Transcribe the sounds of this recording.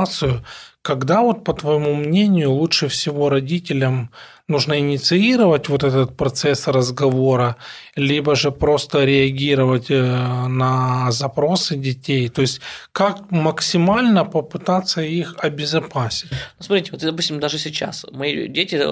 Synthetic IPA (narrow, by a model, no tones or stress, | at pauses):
t̪sɨjʊkɐɡd̪avo̞t̪̚pət̪vəjɪmumnʲenʲɪjʊlˠutʂɨfsʲɪvo̞ɾɐdʲitʲɪlʲəm | nuʐnəɪnʲɪt̪sɨiɾəvətʲvo̞t̪ɛt̪ət̪̚pɾɐt̪sɛsrəzɡɐvo̞ɾəlʲibəʐɨpɾo̞st̪əɾʲɪɐɡʲiɾəvətʲnɐzɐpɾo̞sɨdʲɪtʲejt̪o̞ɪsʲtʲkak̚məksʲɪmalʲnəpəpɨt̪at̪sːəixɐbʲɪzɐpasʲɪtʲnusmɐt̪ɾʲitʲɪot̪d̪ɐpusʲtʲɪmd̪aʐɨsʲɪt͡ɕa̰smɐidʲetʲɪ